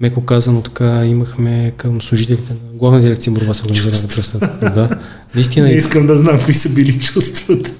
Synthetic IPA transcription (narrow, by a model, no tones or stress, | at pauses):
mɛkokazɐnot̪ɐ̥kaimɐxmɛkəmslˠuʒit̪ɛlit̪ɛnɐɡlˠavnəd̪iɾɛk̚t̪iəboɾvasoɾɡɐnizivɐnvəpɾəst̪əd̪a | nɐis̬t̪inəɛiskəmd̪ɐznamkvisɐbilit͡ʃust̪vɐt̪ə̥